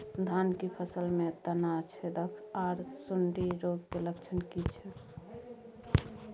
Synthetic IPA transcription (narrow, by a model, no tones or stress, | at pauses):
d̪ʱankipʰəsəlmet̪ənat͡ʃʰɛd̪əkʰaːɾsuɳɖiɾoɡkeləkt͡ʃʰənkit͡ʃʰɛ